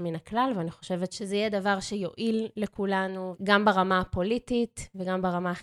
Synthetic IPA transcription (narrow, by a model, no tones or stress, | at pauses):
minaklalveaniχo̞ʃe̞vetʃezejɛd̪avaʁʃejoʔilːekulanuɡambaʁamapo̞lititveɡambaʁama